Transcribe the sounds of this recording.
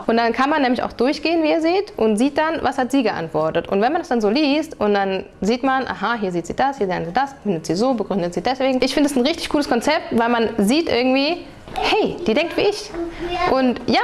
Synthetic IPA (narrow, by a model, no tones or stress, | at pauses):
ʔʊntd̥ankʰanmanːɛːmlɪça̰ʊxd̥ʊɐçɡ̥eːənviːɛːɐziːtʔʊntz̥iːt̚d̥anvashatz̥iːɡəʔa̰ntv̥ɔɐtətʔʊ̰ntv̥ɛnmandasd̥anzoːliːstʊntd̥an | ziːtmanʔa̰ɦaɦiːɐziːtz̥ḭːd̥ashiːɐzaɐknziːdasb̥əɡ̥ʁʏndətz̥iːzoːbəɡʁʏndətz̥iːdɛsv̥eːɡŋ̩ʔɪçfɪndəasn̩ʁɪçtɪçɡ̥uːləskʰɔnt͡sɛp̚tvaɪlmanziːtʔɪ̰ɐɡŋ̩tv̥iː | hɛɪd̥iːdɛŋktv̥iːʔɪçʔʊntjaː